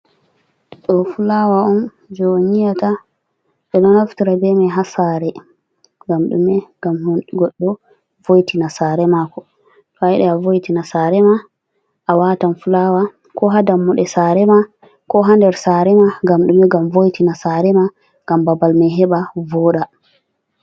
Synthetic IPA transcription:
ɗɔfulawaɔm | d͡ʒoɲijata | ɓɛnɔnaftiɾabɛmɛɦasaɾɛ | ɡamɗṵmɛɡamɡɔɗːɔ | vojtinasaɾɛmakɔ | tajɗɛavojtinasaːɾɛma | ʔawatanfulawa | kʰɔɦadamːuɗɛsaɾɛma | kɔɦandɛɾsaɾɛmaɡamɗumɛɡamvojtinasaɾɛma | ŋɡ̥ambabalmɛɦɛɓavɔɗa

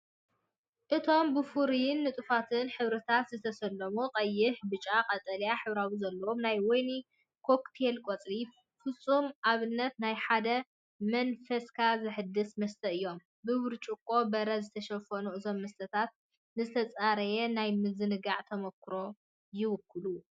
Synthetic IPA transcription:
ʔɨt̪ʰo̞mbɨfuɾinːɨt̪ʼɨfat̪ʰɨnħɨβɾɐt̪ʰat̪zɨt̪ʰɐsɐlːɐmuqʼɐjːɪħbɨt͡ʃʼaqʼɐt̪ʼɐljaħɨβɾawizɐlːɐwomnajwɔjni | kʰo̞kt̪ʰe̞lkʼot͡sʼɾi | fɨt͡sʼːumʔaβɨnːɐt̪najħad̪ɐ | mɐnfɐskʰazɨħɨd̪ːɨsmɐst̪ʰɐɨjːo̞m | bɨβɨɾt͡ʃʼukʼːo̞bɐɾɐzɨt̪ʰɐʃɐfɐnuɨzo̞mːɐst̪ʰɐt̪ʰat̪̚ | nɨzɨt̪ʰɐt͡sʼaɾɐjɛnajmɨzɨnɨɡaʕt̪ʰɐmɐkːɨɾo̞ | jɪβɨkʰːɨlu

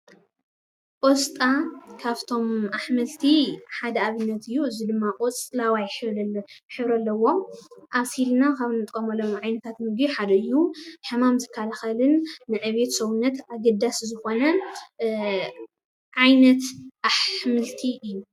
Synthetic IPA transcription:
kʼost̪ʼakʰaβt̪ʰo̞maħmɨlt̪ʰiħad̪ɐaβɨnːɐt̪ɨjːuɨzid̪ɨmːaʔʼot͡sʼlawajħɨɾħɨβɾɐlːɐwo̞ʔaβsilnakʰaβnɨt̪ʼkʼɐmɐlːomʕajnɐt̪ʰat̪mɨɡiħad̪ɐɨjːuħɨmamzɨkʰːalaxɐlɨnːɨʕɨβet̪soβunːɐt̪aɡɐd̪aszɨxo̞nɐ | ʕajnɐt̪ʔaħmɨlt̪ʰiɨjːu

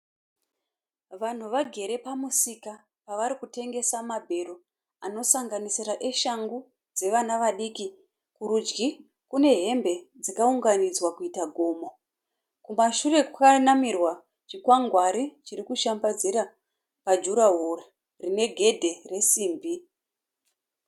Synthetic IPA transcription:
ʋan̤uʋaɡʱe̞ɾe̞pamusika | paʋaɾikute̞ŋɡe̞samabʱe̞ɾo | ano̞saŋɡanisiraʔeʃaŋɡu | d͡ze̞ʋanaʋaɗiki | kuɾud͡ʒɡi | kune̞ɦe̞mbe̞ | d͡zikauŋɡanid͡zwakuitaɡʱo̞ːmo̞ | kumaʃure̞kakanamirwa | t͡ʃikwaŋɡwaɾit͡ʃirikuʃambad͡ziɾa | pad͡ʒuɾaɦuri | rine̞ɡʱe̞dʱe̞re̞siːmbʱi

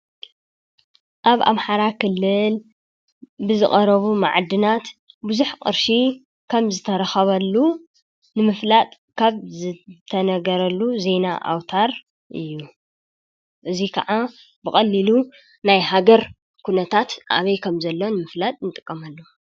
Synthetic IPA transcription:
ʔaβʔa̰mħaɾakʰɨlːɨl | bɨzɨχʼɐɾɐβuma̰ʕd̪ɨnat̪buzuħkʼɨ̰ɾʃi | kʰɐmzɨt̪ʰɐɾɐxɐβɐlːu | nɨmɨflat̪ʼ | kʰaβzɨt̪ʰɐnɐɡɐɾɐlːuze̞naʔa̰wt̪ʰaɾ | ʔɨ̰jːu | ʔɨzikʰa̰ʕa | bɨχʼɐlːilu | najɦaɡɐɾ | kʰunɐt̪ʰat̪ʔa̰βɐjkʰɐmzɐlːo̞nɨmɨflat̪ʼnɨt̪ʼɨkʼːɐmɐlːu

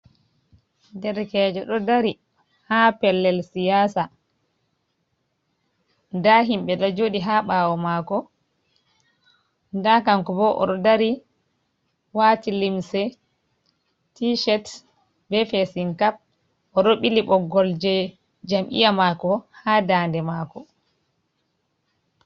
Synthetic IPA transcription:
dɛɾkɛːd͡ʒɔɗɔdaɾi | hapɛlːɛlsijaːsa | ndaɦimɓɛdad͡ʒoːɗiɦaɓawɔmakɔ | ndakaŋkɔbɔʔɔ̰ɗɔdaɾi | waːtilimsɛ | tiʃɛt | bɛfɛsiŋkap̚ | ʔɔɗɔɓiliɓɔɡɔld͡ʒɛ | d͡ʒamʔḭjamakɔhaːdaːndɛmakɔ

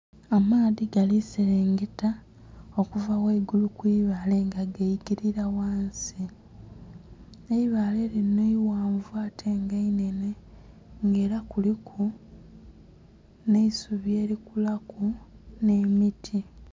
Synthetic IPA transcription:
amaːðiɡalisiɾeːŋɡeta | o̞kuvaweiɡulukwiːβaleŋɡaɡejiɡiɾiɾawaːnsi | eiβale̞ɾinoiwaːɱvuatʰe̞ŋɡaine̞ne̞ | ŋɡe̞ːɾakulikʰu | ne̞isuβje̞ːɾikulakune̞ːmitʰi

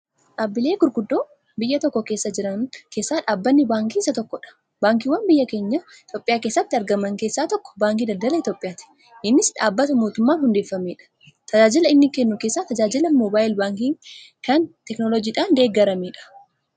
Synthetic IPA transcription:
ᶑaːbːɪle̞ːɡʊɾɡʊd̪ːo̞ː | bɪjːɐt̪ɔkːɔke̞ːsːɐd͡ʒɪɾɐnke̞ːsːaːᶑaːbːɐnːɪbaːŋkiːsɐt̪ɔkːɔᶑɐ̥ | baːŋk̬iwɐnbɪjːɐke̞ːɲːɐɪt̪jo̞ːpʼːɪjaːke̞ːsːɐt̪ːɪɐɾɡɐmɐŋke̞ːsːaːt̪ɔkːɔ̥baːŋk̬iːd̪ɐd̪ːɐlɐɪt̪o̞ːpʼɪjaːt̪ɪ̥ | ʔɪnːɪsᶑa̰ːbːɐt̪ɐmoːt̪ʊmːaːnhʊnd̪e̞ːfːɐmeːᶑɐ̥ | t̪ɐd͡ʒaːd͡ʒɪlɐɪnːɪkɛnːʊkeːsːaːt̪ɐd͡ʒaːd͡ʒɪlɐmobaːjɪlbaːŋkɪŋkɐnt̪ɛknolɔd͡ʒiːᶑaːnd̪e̞ːɡɐɾɐmeːᶑɐ̥

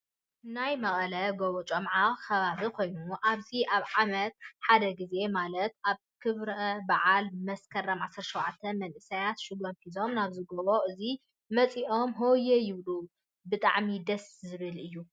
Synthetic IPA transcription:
najmɐχʼɐlɐɡoβot͡ʃʼɐmʕakʰɐβaβikʰo̞jnuʔaβziʔaβʕamɐt̪̚ħad̪ɐɡize̞malɐt̪ʔaβ | kʰɨβɾɐbaʕalmɐskʰɐɾamʕasːɐɾtʃɐwʕa̰t̪ʰːɐmɐnʔɨsajat̪ʃuɡɐɾkʰizo̞mnaβzɨɡɐβoʔɨzi | mɐt͡sʼiʔo̞mɦojejɪβlu | bɨt̪ʼa̰ʕmid̪ɐszɨβɨlɨjːu

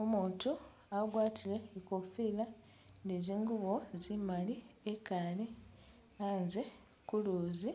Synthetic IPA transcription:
omuːntu | aɡwaːtʰileːkofila | ndeziːŋɡuβozimaliekale | anze | kuluːzi

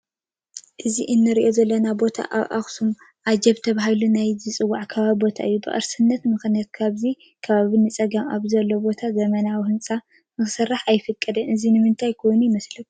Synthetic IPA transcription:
ʔɨziʔɨnːɨɾiʔo̞zɐlːɐnabo̞t̪ʰa̰ʔaβʔa̰xsum | ʔad͡ʒɐβt̪ʰɐβahalunajzɨt͡sʼɨwːaʕkʰɐβaβibo̞t̪ʰa̰ɨjːubɨ̰ʔʼɨ̰ɾsɨnːɐt̪mɨxnɐt̪kʰaβzi | kʰɐβaβinɨt͡sʼɐɡɐmaβzɐlːo̞bo̞t̪ʰazɐmɐnawihɨnsʼa | mɨxɨsɐrːaħajɪfɐkʼːɐd̪ɐnʔɨzinɨmɨnt̪ʰajkʰownjɪmɐslɨ

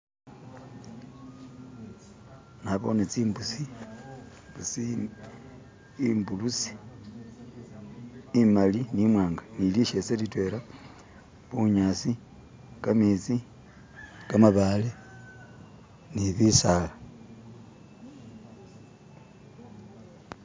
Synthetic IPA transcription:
naβo̞̰net͡siːmbusi | bus | imbulusi̥ | malinimwaːŋɡaniliʃesalitwe̞ɾa | βuɲasi | kamet͡si | kamaβale | niβisala

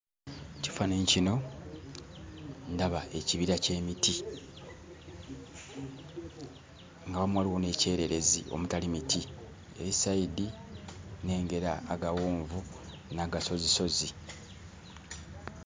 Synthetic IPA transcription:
ci̥faneɲcino̞ | ndaβae̞ciβiɾace̞ːmiti | ŋɡaβamwaliwone̞ːce̞ːɾe̞ɾe̞zḭo̞̰mutalimitʰi | e̞̰βisaidi | ne̞ːŋɡe̞ɾaːɡawuːɱvu | naːɡaso̞ziso̞zi

